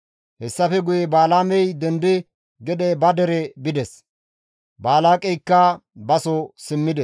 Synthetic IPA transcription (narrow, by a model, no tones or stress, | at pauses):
hɛsːɐfɛɡʊjɛbaːlaːmɛjd̪ɛnd̪ɪ | ɡɛd̪ɛbɐd̪ɛɾɛbɪd̪ɛs | baːlaːkʼɛjkːɐbɐsɔsɪmːɪd̪ɛ